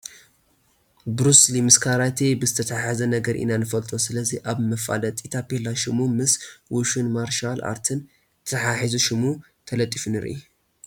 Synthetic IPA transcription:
bɾuslimɨskʰaɾat̪ʰebɨzɨt̪ʰɐt̪ʰaħazɐnɐɡɐɾʔḭnanɨfɐlt̪ʼo̞sɨlɐziʔaβmɐfa̰lɐt̪ʼit̪ʰapʰelaʃɪmumɨswuʃunmaɾʃala̰ɾt̪ʰɨn | t̪ʰɐt̪ɐħaħizuʃmu | t̪ʰɐlɐt̪ʼːifɨnɨɾʔḭ

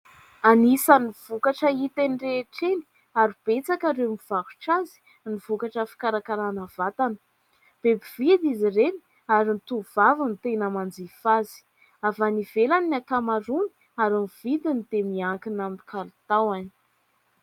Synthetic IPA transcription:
anisaniv̥ukaʈ͡ʂəit̪enireʈ͡ʂeni̥ | aɾib̥et͡sakaɾemiv̥aɾu̥ʈ͡ʂazi̥ | niv̥ukaʈ͡ʂəfi̥kaɾakaɾanavat̪anə̥ | b̥ebivid̪izireni̥ | aɾint̪uv̥avənt̪enəmand͡zifazi̥ | avanivelannakamaɾuni̥ | aɾimivid̪inid̪emiaŋkinaminikʰaɾit̪awani̥

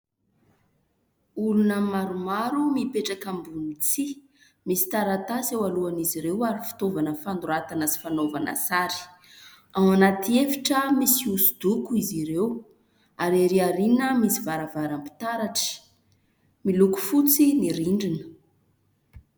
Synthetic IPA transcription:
ulunəmaɾumaɾumipeʈ͡ʂakambunit͡si | misi̥t̪aɾat̪asewaluaniziɾewaɾifi̥t̪ovanəfand̪uɾat̪anəsi̥fanovanə̰saɾi̥ | amanat̪iefiʈ͡ʂəmisiusud̪ukuiziɾew | aɾeɾiaɾinəmisivaɾavaɾampi̥t̪aɾaʈ͡ʂi̥ | miluku̥fut͡siniɾiɳɖ͡ʐinə̥

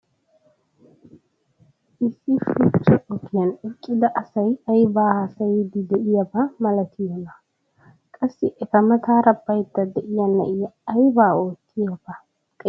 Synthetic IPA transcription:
ʔɪsːɪfʊt͡ʃːɐʔɔkːɪjɐnɪkʼːɪd̪ɐʔɐsɐjɐjbaːhɐsɐjd̪ɪd̪ɛʔɪjɐbɐmɐlɐt̪ʰɪjɔnɐ | kʼɐsːɪʔɛkɐmɐt̪aːɾɐbːɐjt̪ːɐd̪ɛʔɪjɐnːɐ̰ʔɪjːjbaːoːt̪ːɪjɐbɐ | kʼ

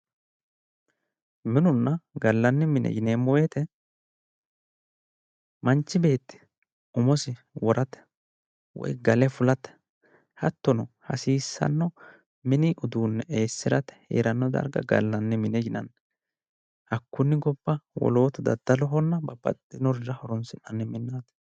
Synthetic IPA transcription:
mɪnʊnːɐɡɐlːɐnːɪmɪnʔɛ̰jɪneːmːɔwet̪ɛ | mɐnt͡ʃːɪbe̞ːt̪ːɪ̥ | ʊmɔsɪ | wɔɾʔɐt̪ːɛ̥ | wɔ̰jɡɐlɛfʊlɐt̪ːɛ̥ | hɐt̪ːɔnɔhɐ̰siːsːɐ̰nːɔ | mɪnɪʔʊd̪uːnːɛʔe̞ːsːɪɾɐt̪ɛ̥hḛːɾɐnːɔd̪ɐ̰ɾɡɐ̰ɡɐ̰lːɐnːɪmɪnɛjɪnɐ̰nː | hɐkːʊnːɪɡɔb̥ːɐwɔ̰lo̞ːt̪ʊd̪ɐ̰d̪̥ːɐlɔɦɔnːɐbɐbɐ̰t̪ʼːɪnɔɾɪzɐhɔɾɔnsɪnːɐnːɪmɪnːaːt̪

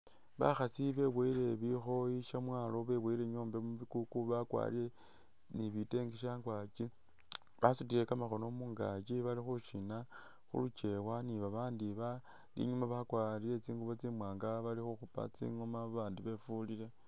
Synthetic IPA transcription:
βa̰xasiβe̞βweile̞βixo̞iʃamwaːlo̞βe̞weiɾeɲo̞ːmbe̞muβikukuβakwa̰liɾe̞ | niβite̞ŋɡiʃaːŋɡwat͡ʃi | βasutilekamaxo̞no̞muːŋɡat͡ʃiβalixuʃina | xṵlut͡ʃe̞waniβaβaːndiβa | lḭɲumaβakwalile̞t͡siːŋɡuβo̞t͡simwaːŋɡaβalixuxupa̰t͡sḭŋomaβaːndiβe̞fulile̞

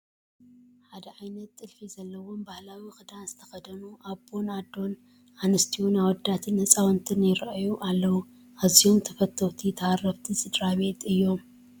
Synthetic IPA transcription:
ħad̪ɐʕajnɐt̪ːʼɨlfizɐlːɐwo̞mbahlawixʼɨd̪anzɨt̪ʰɐ̥xɐd̪ɐnuʔabo̞nad̪o̞n | ʔanɨst̪ʰiwunawɔd̪at̪ʰɨnhɨsʼawɐnt̪ʰɨnjɪɾʔajuʔalːɐwu | ʔazio̞mt̪ʰɐfɐt̪ʰːowt̪ʰit̪ʰɐarːɐβt̪ʰisʼɨd̪ɾaβe̞t̪ɨjːo̞m

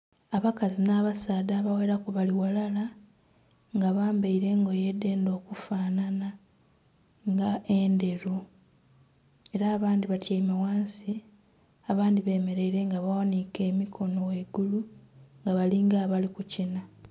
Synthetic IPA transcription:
aβakazinaːβasaːdaːβaweːɾakuβaliwalala | ŋɡaβaːmbeiɾe̞ŋɡo̞je̞dːe̞ːndo̞ːkufaːnana | ŋɡaende̞ɾu | e̞ɾaːβaːndiβatʰjaimawaːnsi | aβaːndiβe̞ːme̞ɾeiɾe̞ŋɡaβawanike̞ːmikʰo̞no̞weɡuluŋɡaβaliŋɡaːβalikucina

